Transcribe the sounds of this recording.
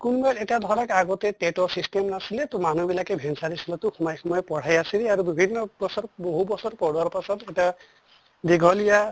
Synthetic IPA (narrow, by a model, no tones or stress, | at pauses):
kunmɔɛtɛtiad̪ʱɔɹakaɡɔtɛtetɔsistemnasilɛt̪ɔmanubilakɛbʱɛnsaɾisilɔt̪ʊxɔmɔjxɔmɔjɔpɔɽ̤ajasilɛaɹubibʱinːɔbɔsɔɹboɦubɔsɔtpɔɹuaɹpasɔtɛta | diɡʱɔlija